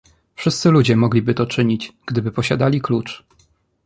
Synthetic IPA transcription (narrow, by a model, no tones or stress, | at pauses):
fʂɘst̪sɘlud͡ʑɛmɔɡlʲibɘt̪ɔt͡ʂɘɲit͡ɕɡ̥d̪ɘbɘpɔɕad̪alʲiklut͡ʂ